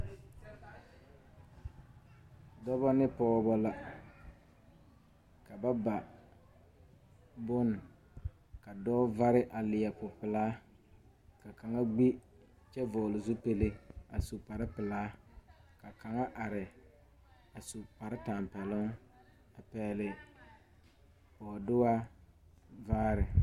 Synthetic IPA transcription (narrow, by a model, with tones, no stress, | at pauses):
dɔ˦bɔ˦nɪ˦pɔː˨bɔ˨la˨ | ka˨ba˦ba˨ | bʊ˦n˨ | ka˨dɔː˦va˦ɾɪ˦ʔa˨lɪ˨ja˨pʊ˨pɪ˨laː˦ | ka˨ka˨ŋa˦ɡ͡bi˦ | t͡ʃɛ˦vʊ˨lɪ˨zu˦pe˦le˦a˨su˨pa˨ɾɪ˦pɪ˨laː˦ka˨ka˨ŋa˦ʔa˨ɾɪ˨ | a˨su˨pa˨ɾɪ˦taː˨m˨pɛ˨lʊ˦ŋ | a˨pɛː˨lɪ˨ | ɔ˨dʊ˦wa˦ | vaː˦ɾɪ˨